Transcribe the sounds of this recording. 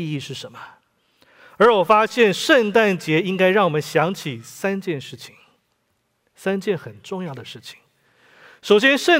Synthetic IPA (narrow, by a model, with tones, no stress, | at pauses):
i˥˧ʂɻ̩˥˩ʂə˧˥nmə˧ | ə˞˧˥wɔ˨˩fa˥ɕjɛ˥˧nʂə˥˧nt̪a˥˩nt͡ɕjɛ˧˥i˥ŋka˥ɪɻɑ˥˩ŋwɔ˨˩mə˦nɕjɑ˧˥ŋt͡ɕʰi˨˩sa˥nt͡ɕjɛ˥˧nʂɻ̩˥˩t͡ɕʰi̥˨˩ŋ | sa˥nt͡ɕjɛ˥˩nxə˨˩nʈ͡ʂʊ˥˧ŋjɑ˥˩ʊd̪ə˩ʂɻ̩˥˩t͡ɕʰi̥˨˩ŋ | ʂo˨˩ʊɕ̬jɛ˥nʂə˥˧